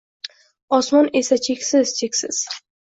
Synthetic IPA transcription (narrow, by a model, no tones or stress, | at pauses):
ɒsmɒnesat͡ʃʰe̞kʲsɪz̥t͡ʃʰekʲsɪz̥